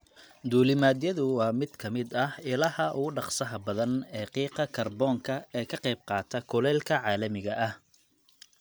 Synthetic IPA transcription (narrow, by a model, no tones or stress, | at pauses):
d̪uːlɪmaːðjɐðʊwɑːmɪd̪̥kʰɐmɪd̪ɐhɪlɐhɐʔʊɣʊɖɑqsɐɦɐbɐðɐnɛːqiːqɑkʰɐrbɔːŋkʰɐɛːkʰɐqɛjb̚qɑːt̪ʰɐkʰʊlɛːlkʰɐʕɑːlɐmɪɣɐʔɐh